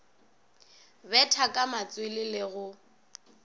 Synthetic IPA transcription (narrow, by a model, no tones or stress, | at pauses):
bɛtʰakʼamat͡sʼwɪlɪlɪɣʊ